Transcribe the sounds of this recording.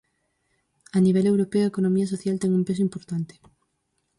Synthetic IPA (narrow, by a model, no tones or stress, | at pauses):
aniβ̞ɛlewɾopeoekonomiɐs̬oθjalt̪ɛŋumpesoimpoɾt̪ant̪e̥